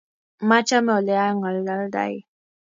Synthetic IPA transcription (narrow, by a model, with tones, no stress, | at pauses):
ma˦t͡ʃa˦mɔ˨lɛ˦a˦ŋa˨lːa˦lda̰˨j